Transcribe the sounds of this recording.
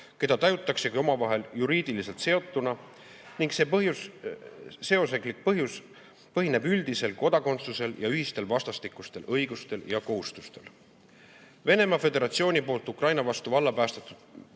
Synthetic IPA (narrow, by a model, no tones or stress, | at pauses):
ke̞d̪ɑt̪ɑjut̪ːˑɑkse̞kio̞mɑvɑɦe̞ljuɾiːd̪̥ilise̞lt̪se̞o̞t̪ˑːunɑ | niŋɡse̞ːpɤɦjus | se̞o̞seklik̚pɤɦjus | pɤɦine̞byld̪ise̞lko̞d̪ɑko̞nt̪suse̞ljɑyɦist̪e̞lvɑst̪ɑst̪ikːˑust̪e̞lʔɤjɡ̥ust̪e̞ljɑko̞ɦust̪ust̪e̞l | ve̞ne̞mɑfe̞d̪e̞ɾɑt̪sio̞ːnʲipo̞ːlt̪ːˑukrɑjnɑvɑst̪uvɑlːɑpæːst̪et̪ːˑud̪̥